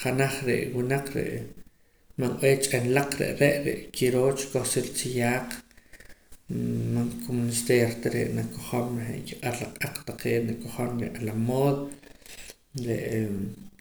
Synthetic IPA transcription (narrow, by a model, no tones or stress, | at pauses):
χanaχɾḛʔwinaqɾḛʔ | manʔeːt͡ʃʼenlaq͡χɾḛʔɾeʔɾḛʔkʰiɾoːt͡ʃkoχsiɾt͡sijaːq | maŋkomunist̪eɾt̪aɾḛʔnakoχomχḛʔkiqʼatlaqʼaq͡χt̪aqeːnakoχonɾeʔalamoːðo | ɾḛʔ